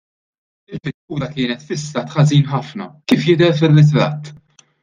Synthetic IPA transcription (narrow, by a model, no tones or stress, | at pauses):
ɪlfɪt̪kuːɾɐkɪːnɛt̪fɪsːɐːt̪ħɐziːnħɐfnɐ̰kiːfjɪd̪ɛɾfɪrːɪt̪ɾɐ̰ːt̪ː